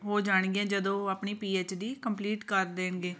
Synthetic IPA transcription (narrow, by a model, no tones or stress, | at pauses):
ɦoːd͡ʒaːɳ̃ɡiɛ̃ːd͡ʒəd̪õːaːpɳiːpiːeːt͡ʃɖ̪iːkəmpliːʈkəɾd̪eːnɡeː